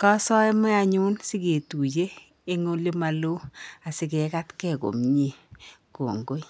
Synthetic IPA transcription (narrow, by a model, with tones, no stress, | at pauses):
kɔ˦sɔ˦ɛ˦mɛ˦a˨ɲu˦nsɪ˦ke˨tu˨d͡ʒeː˦ | ŋo˦le˦ma˨lo˦a˨sɪ˨ke˨ka˦tkɛ˦˨ko̰˨mɲe˦˨ko̰˨ŋɡo˦j